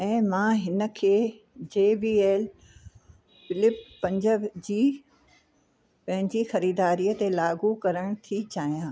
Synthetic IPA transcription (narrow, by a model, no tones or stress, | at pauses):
ɛ̃ːmãːɦɪnə̆kʰeː | d͡ʑeːbiːeːl | fɪlɪpːɐ̃ɲd͡ʑəd͡ʑiː | pɐ̃ɦɪ̃ɲd͡ʑixɐɾiːd̪aːɾiːət̪elaːɡukɐɾəɽ̃t̪ʰit͡ɕaːijãː